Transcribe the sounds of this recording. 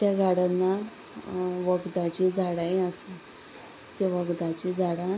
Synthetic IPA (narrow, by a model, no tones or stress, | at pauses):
t̪jaɡʱaɽanːa | ʋəɡd̪ãt͡ɕid͡zʱaɽajasa | t̪eʋəɡd̪at͡ɕid͡zʱaɽã